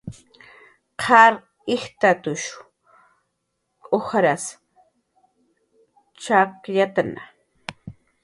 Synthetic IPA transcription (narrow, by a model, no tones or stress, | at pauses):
qʰaɾ | ɪxt̪at̪ʊʃ | kʼoxɾas | t͡ʃakʎat̪ana